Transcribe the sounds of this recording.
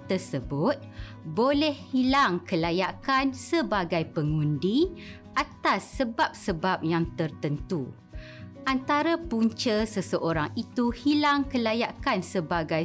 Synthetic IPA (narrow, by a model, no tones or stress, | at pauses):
t̪əsəbʊt̪̚ | bolɛhhilaŋkəlajakansəbaɡajpəŋũndi | ʔat̪asːəbap̚səbap̚jaŋt̪ərt̪ənt̪u | ʔant̪aɾapuɲt͡ʃəsəsəʔoɾaŋit̪uhilaŋkəlajaʔkansəbaɡaj